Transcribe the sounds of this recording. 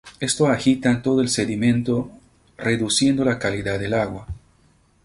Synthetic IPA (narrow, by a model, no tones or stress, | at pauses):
e̞st̪oaxit̪ant̪o̞ðoelse̞ðimẽ̞nt̪o̞ | re̞ðusje̞nd̪o̞lakaliðaðelaɣwa